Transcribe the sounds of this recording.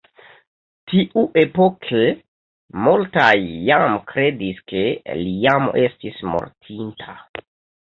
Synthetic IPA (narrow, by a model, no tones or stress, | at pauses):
tiʔuʔe̞pokʰe | multajːamkɾe̞diske̞lijamo̰ʔe̞stismo̰ɾtʰintʰa